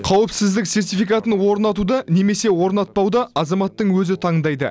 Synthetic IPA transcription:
qʰɑwəpsɪzd̪ɪkse̞rt̪ijfijkat̪ənwo̞ɾnɑt̪ud̪ɑne̞me̞se̞wo̞ɾnɑt̪̚pɑwd̪ɑɑzɑmɑt̪ːəɴwɵzɪt̪ʰɑɴd̪ɑjd̪ə̰

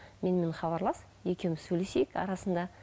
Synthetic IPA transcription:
me̞nme̞nχɑβɑɾlˠɑs | je̞kʲe̞wmɪsɵjlese̞jɪkɑ̰ɾɑsənd̪ɑ

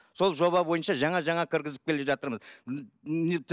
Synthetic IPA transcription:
so̞lˠʒo̞βɑbo̞jənʃɑʒɑɴɑʒɑɴɑkʲʰɪɾɡʲɪzɪp̚kʲʰe̞leʒɑt̪əɾməz | et̪ʰ

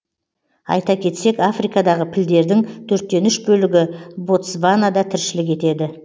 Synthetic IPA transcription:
ɑ̰jt̪ɑkʲʰe̞t̪se̞kafrijkɑd̪ɑʁəpʰɪld̪e̞ɾd̪ɪŋt̪ʰɵɾt̪ːe̞nʏʃbɵlɪɡʲɪbo̞t̪svanad̪ɑt̪ʰɪɾʃɪlɪk̬e̞t̪e̞d̪ɪ

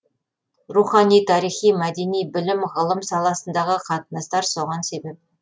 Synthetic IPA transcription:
ruχɑnijt̪ʰɑɾijχijmæd̪e̞nijbɪlɪmʁəlˠəmsɑlˠɑsənd̪ɑʁəqʰɑt̪ənɑst̪ɑɾso̞ʁɑnse̞be̞p̚

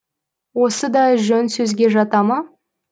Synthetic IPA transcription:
wo̞səd̪ɑʒɵnsɵzɡʲe̞ʒɑt̪ɑmɑ

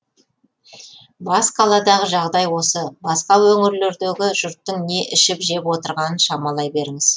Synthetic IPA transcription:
bɑsqʰɑlˠɑd̪ɑʁəʒɑʁd̪ɑjwo̞səbɑsqɑwɵŋɪɾleɾd̪eɡʲɪʒʊɾt̪ːəŋne̞ʔɪʃɪpʒe̞pwo̞t̪əɾʁɑnənʃɑmɑlˠɑjbe̞ɾɪŋɪz̥

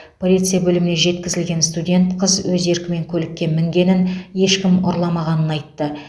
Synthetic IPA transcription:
pʰo̞lʲit̪sɨjabɵlɪmɪneʒe̞t̪kʲɪzɪlɡʲe̞nst̪udʲe̞nt̪qʰəzwɵze̞ɾkʲɪme̞ŋkʲʰɵlɪkʲːe̞nmɪŋɡʲe̞nɪnje̞ʃkʲɪmoɾlˠɑmɑʁɑnənɑjt̪ːə

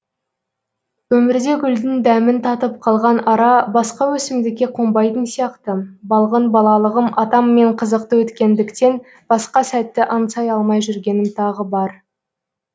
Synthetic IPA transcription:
wɵmɪɾd̪e̞ɡʲʏld̪ɪnd̪æmɪnt̪ʰɑt̪əp̚qʰɑlˠʁɑnɑɾɑbɑsqɑwɵsɪmd̪ɪkʲːe̞qʰombɑjt̪ənsijɑqt̪əbɑlˠʁənbɑlˠɑlˠəʁəmʔɑt̪ɑmːe̞ɴqʰəzəq̚t̪əwɵt̪kʲe̞nd̪ɪkt̪e̞n | b̥ɑsqɑsæt̪ːɪʔɑnsɑjɑlˠmɑjʒʏɾɡʲe̞nɪmt̪ʰɑʁəbɑɾ

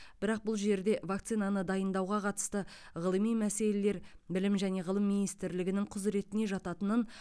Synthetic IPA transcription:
b̥ɪɾɑq̚bʊlˠʒe̞ɾd̪e̞vakt̪sijnanəd̪ɑjənd̪ɑwʁɑqʰɑt̪ə̥st̪ə | ʁəlˠəmijmæse̞le̞le̞ɾbɪlɪmʒæne̞ʁəlˠəmːijnijst̪ɪɾlɪɡʲɪnɪŋqʰʊzɾe̞t̪ɪne̞ʒɑt̪ɑt̪ənən

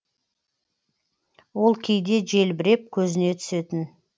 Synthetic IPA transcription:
wo̞lˠkʲʰejd̪e̞ʒe̞lbɪɾe̞p̚kʲʰɵzɪne̞t̪ʰʏ̥se̞t̪ɪn

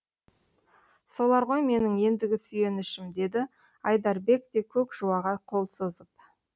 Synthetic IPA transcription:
so̞lˠɑɾʁo̞jme̞nɪŋje̞nd̪ɪɡʲɪsʏje̞nɪʃɪmd̪e̞d̪ɪ | ɑjd̪ɑɾbe̞kt̪e̞kʲʰɵkʒ̥uwɑʁɑqʰo̞lˠsozəp̚

